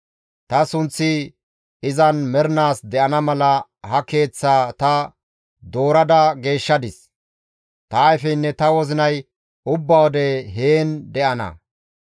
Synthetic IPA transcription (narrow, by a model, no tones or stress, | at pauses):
t̪ɐsʊnt͡sːɪ | ɪzɐnmɛɾnaːsd̪ɛʔɐnɐmɐlɐhɐke̞ːt͡sːaːt̪ɐ | d̪o̞ːɾɐd̪ɐɡe̞ːʃːɐd̪ɪs | t̪ɐːjfɛnːɛt̪ɐwɔzɪnɐj | ʊbːɐwɔd̪ɛɦeːnd̪ɛʔɐnɐ̰